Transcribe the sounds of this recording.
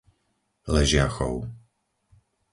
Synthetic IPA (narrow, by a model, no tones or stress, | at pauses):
lɛʒɪaxɔ̰ʊ